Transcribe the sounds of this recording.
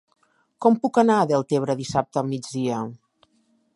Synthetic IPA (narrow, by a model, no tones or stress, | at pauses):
kɔmpukənaəðelˠt̪eβ̞ɾəðisap̚t̪əːlˠmid͡zðiə